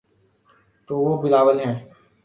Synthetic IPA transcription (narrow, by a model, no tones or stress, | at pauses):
t̪oːʋoːbɪlaːʋəlɦɛ̃ː